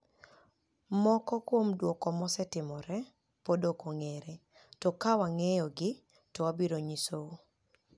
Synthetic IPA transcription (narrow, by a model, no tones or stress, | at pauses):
mɔkɔkwomdwokɔmɔsɛtɪmɔɾɛ | podokoŋeɾe | tɔkawaŋejɔɡɪ | tɔwabiɾoɲisoo